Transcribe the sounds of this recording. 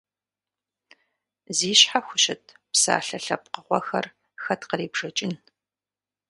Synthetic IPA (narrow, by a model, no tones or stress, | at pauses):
ziːɕħaxʷʊɕɪtʰ | psa̰ːɬɐɬɐp̚qəχʷɔxɐ̰r | xɐtqəriːbʐ̥ɐt͡ʃʼɪn